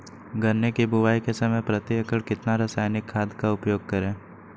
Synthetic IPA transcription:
ɡʱɐnːekebʊwaːikesɐməjpɾɐt̪jəkəɽkɪt̪naɾasaːjnɪkʰːaːd̪kaʊpjoːɡ̚kɐɾẽː

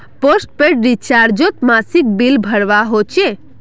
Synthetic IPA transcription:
posʈ̚peɾɾit͡ʃaɾd͡ʒot̪masik̚bilbʱəɽʋaɦot͡ʃe

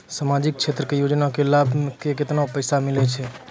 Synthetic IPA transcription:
samad͡ʒik̚t͡ʃʰet̪ɾəkejod͡ʒnakelabkeket̪naopəjsamɪlet͡ʃʰe

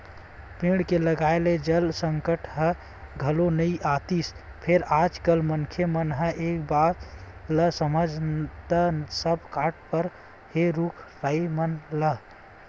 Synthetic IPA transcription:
pĩɽkeləɡaeled͡ʒəlsəŋkəʈʰɦə | ɡʱəlonəiʔat̪is | pʰeɾad͡ʒkəlmənkʰemənɦə̃ʔekbaɾləsəməd͡ʒʱt̪əsəb̚kaʈ̚pəɾ | heɾukʰɾaimənlə

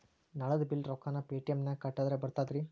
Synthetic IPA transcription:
nɐɭɐd̪ɐbilɾɔkaːnɐpeːʈijɐmnɐkɐʈːaːd̪ɾebɐɾt̪aːd̪ɾi

